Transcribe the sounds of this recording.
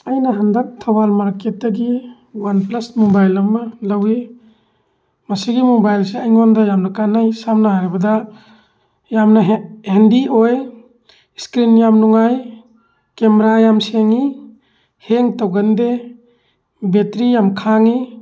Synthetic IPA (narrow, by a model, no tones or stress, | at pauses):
ajnɐɦandak̚tʰawalmaɾket̚ːɐɡi | wanplɐsmobajlɐmːɐlawi | mɐsiɡimobajlseajŋondɐjamnɐkanajsamnaɦaɾibɐdɐ | jamnɐhendiʔoj | skɾinjamnuŋaj | kemeɾajamseŋi | heŋtawɡɐnde | betɾijamkʰaŋi